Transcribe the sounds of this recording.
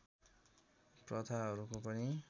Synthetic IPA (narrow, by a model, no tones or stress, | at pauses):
prʌt̪ʰaɦʌɾukopʌni